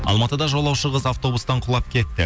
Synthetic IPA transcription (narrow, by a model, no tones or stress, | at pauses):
ɑ̰lˠmɑt̪əd̪ɑʒolˠɑwʃəʁəzaft̪o̞bust̪ɑɴqʰʊlˠɑpkʲʰe̞t̪ːɪ